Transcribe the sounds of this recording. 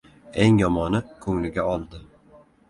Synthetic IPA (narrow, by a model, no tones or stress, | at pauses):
eŋjɒmɒnɪkʰɵŋlɪɡʲaɒlˠd̪ɪ